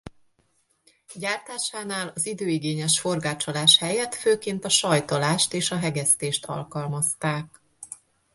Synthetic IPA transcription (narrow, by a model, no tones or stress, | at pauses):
ɟaːrt̪aːʃaːnaːlɒzid̪øːiɡeːɲɛʃfo̞rɡaːt͡ʃo̞laːʃhɛjɛt̪føːkeːnt̪ɒʃɒjt̪o̞laːʃt̪eːʃɒɦɛɡɛst̪eːʃt̪ɒ̰lkɒlmɒst̪aːk̚